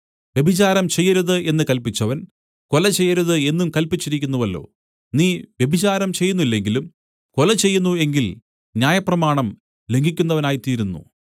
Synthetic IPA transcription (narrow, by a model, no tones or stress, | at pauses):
ʋje̞bʱit͡ɕaːɾɐmt͡ɕe̞jːɐɾuðɨʔe̞nːɨkɐlpit͡ɕːɐʋɐn | kolɐt͡ɕe̞jːɐɾuðɨe̞nːumkɐlpit͡ɕːiɾik̬ʲːunːuʋɐlːo̞̰ː | niːʋje̞bʱit͡ɕaːɾɐmt͡ɕe̞jːunːuilːe̞ŋɡilum | kolɐt͡ɕe̞jːunːue̞ŋɡil | njaːjɐprɐmaːɳɐm | le̞ŋɡʱikʲːunːɐʋɐnaːjit̪iːɾunːṵ